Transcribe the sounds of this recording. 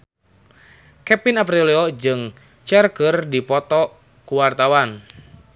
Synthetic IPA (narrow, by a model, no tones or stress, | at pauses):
kɛpinapɾiliɔd͡ʒɨŋ | t͡ʃɛrkərdipɔt̪ɔ | kuwart̪awan